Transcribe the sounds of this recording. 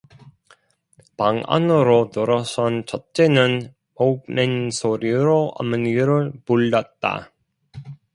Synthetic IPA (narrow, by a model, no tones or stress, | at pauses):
paŋa̰nɯɾonɯɾʌsʰʌnt͡ɕʌt̚t͡ɕ͈enɯn | op̚mensʰoɾiɾoʔa̰mɯnɡiɾɯɭpuɭdat̚t͈a̰